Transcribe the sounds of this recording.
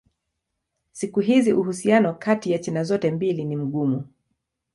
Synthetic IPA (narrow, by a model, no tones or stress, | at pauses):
sikuɦiziʔuhusianɔkatijat͡ʃɛnazɔtɛmbilinim̩ɠumu